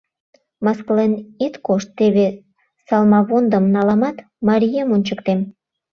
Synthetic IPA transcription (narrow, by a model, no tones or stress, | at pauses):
mɑsklenit̪koʃt̪ːeβe | sɑlmɑβond̪əmnɑlɑmɑt̪ | mɑɾʲijemonʲt͡ɕəkt̪em